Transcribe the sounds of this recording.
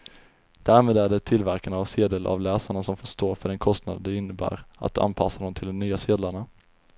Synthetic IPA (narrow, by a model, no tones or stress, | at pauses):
d̪̥æːɾmeːd̪æɖɛt̪ʰɪlvæɾkanavseːd̪əlʔa̰vlɛːsaɳasɔmfoʂt̪oːɾfœɖɛnkʰɔst̪nad̪ənd̪ɛɪnːəbæ̰ːɾa̰t̪a̰npʰasːad̪ɔmt̪ʰɪld̪ɔmnyːaseːd̪laɳa